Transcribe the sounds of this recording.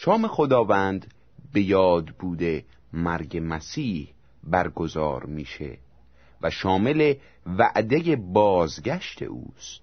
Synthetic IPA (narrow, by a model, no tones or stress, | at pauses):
ʃɒːme̞xod̪ɒːvænd̪ | be̞jɒːd̪buːd̪e | mæɾɟemæsiːh | bæɾɡo̞zɒ̰ːɾmiːʃḛ | væʃɒːme̞le̞ | væʔd̪ejebɒːzɟæʃt̪ʰḛʔṵːst̪